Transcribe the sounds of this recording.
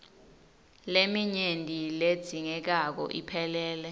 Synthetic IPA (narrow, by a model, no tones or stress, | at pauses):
lemiɲendʱʼiled̥z̥ʱiŋɛk̬ak̬ɔ̰ʔḭpʰɛlɛːlɛ